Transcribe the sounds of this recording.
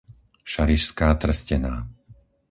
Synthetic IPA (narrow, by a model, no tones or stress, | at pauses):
ʃaɾiʃskaːt̪r̩scɛnaː